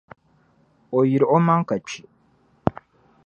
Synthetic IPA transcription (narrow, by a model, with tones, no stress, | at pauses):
o˨ji˨ɾo˦mã˦ŋ̩˦ka˨t͡ɕi˦